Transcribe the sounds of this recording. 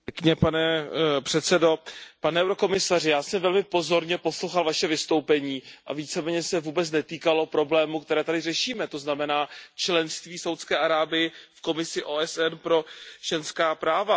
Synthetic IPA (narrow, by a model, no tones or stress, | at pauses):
kɲɛpanɛpr̥ɛt̪sɛdo̞panɛɛwɾo̞ko̞mɪsarɪjaːsɛmvɛlmɪpo̞zo̞ɾɲɛpo̞slowxalvaʃɛvɪst̪o̞wpɛɲiːʔa̰viːt͡sɛmɛːɲɛsɛvuːbɛt͡snɛt̪iːkalo̞pɾo̞blɛːmuk̚t̪ɛɾɛːt̪adɪrɛʃiːmɛt̪o̞znamɛnaːt͡ʃlɛnst̪viːsawt̪skɛːʔaɾaːbɪjɪfko̞mɪsɪʔoːʔɛsʔɛnpɾo̞ʒ̥ɛnskaːpɾaːva